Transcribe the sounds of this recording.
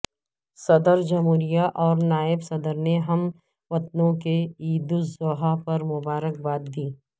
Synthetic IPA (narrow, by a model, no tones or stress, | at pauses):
sɐd̪əɾd͡ʒɐmuːɾijaʔɔːɾnaːɪbsɐd̪əɾneɦɐm | ʋɐt̪̚nõkeiːd̪uzoːɦapɐɾmʊbaːɾək̚baːt̪̚d̪iː